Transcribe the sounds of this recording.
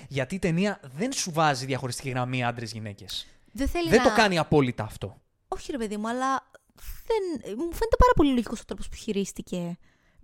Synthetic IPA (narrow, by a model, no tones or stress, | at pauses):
ʝɐt̪iːt̪e̞niɐðe̞nsuvɐziðʝɐxo̞ɾist̪iciɣɾɐmiɐnd̪ɾe̞zʝine̞ce̞s | ðeθe̞liðend̪o̞kɐniɐpo̞lit̪ɐːft̪o̞ | o̞çiɾe̞pe̞ðimuɐlɐ | ðenmufe̞net̪e̞pɐɾɐpo̞liloʝiko̞sot̪ɾopo̞spu̥çiɾist̪ice̞